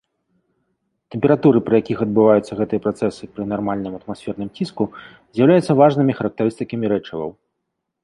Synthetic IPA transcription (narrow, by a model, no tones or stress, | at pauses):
t̪ɛmʲpʲɛɾat̪uɾɨpɾɐjakʲixɐd̪̚bɨvajut̪sːɐɣɛt̪ɨjɐpɾat̪sɛsɨpɾɨnarmalʲnɨmɐt̪masʲfʲɛrnɨmt͡sʲisku | zʲjawlʲajut̪sːɐvaʐnɨmʲixɐɾɐk̚t̪ɐɾɨst̪ɨkɐmʲiɾɛt͡ʂɐvɐ̰w